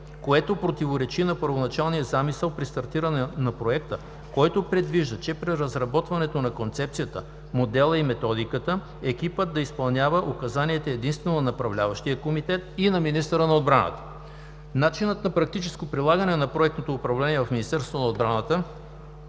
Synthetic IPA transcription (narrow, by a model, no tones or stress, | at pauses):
koɛt̪opɾot̪ivoɾɛt͡ʃinɐpəɾvonɐt͡ʃalˠnijəzamisɛlˠpɾist̪ɐɾt̪iɾənɛnɐpɾoɛkt̪ə | kɔjt̪opɾɛd̪viʒd̪ət͡ʃɛpɾiɾɐzɾɐbɔt̪vɐnɛt̪onɐkont̪sɛp̚t̪sijət̪ə | mod̪ɛlˠəimɛt̪ɔd̪ikət̪ə | ɛk̟ipəd̪ːɐispɐlˠnʲjavəʔokɐzaniɛt̪ɛɛd̪inst̪vɛnonɐnɐpɾɐvlʲavəʃt̪ijəkomit̪ɛt̪̚inɐminist̪əɾənɐod̪bɾanə̰t̪ə̥ | nat͡ʃinət̪nɐpɾɐk̚t̪it͡ʃɛskopɾilˠaɡənɛnɐpɾoɛk̚t̪not̪oːpɾɐvlɛniɛvɐfminist̪ɛɾst̪vonɐod̪̚bɾanət̪ə